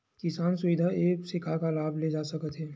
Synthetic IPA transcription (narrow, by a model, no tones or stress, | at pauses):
kɪsaːnsʊʋɪd̪ʱaeːksɪkʰakalaːbʱled͡ʒaːsɐkət̪ɦɛː